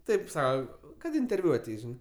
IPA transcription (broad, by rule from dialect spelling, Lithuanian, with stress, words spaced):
ˈtɐɪp ˈsɐʊ kɐt ɪnʲtʲɛrʲˈʋʲʊ ɐˈtʲɛɪs ˈʒʲɪnɜ